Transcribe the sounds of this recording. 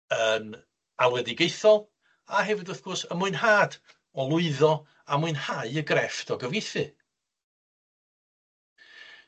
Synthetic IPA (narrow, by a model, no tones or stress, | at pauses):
ən | alˠwɛdɪɡejθɔlˠ | aɦɛvɪdʊθɡ̥ʊrsəmʊɨnhaːd | ɔlˠʊɨðɔ | amuɨnhaɨəɡrɛftʰɔɡəvejθɨ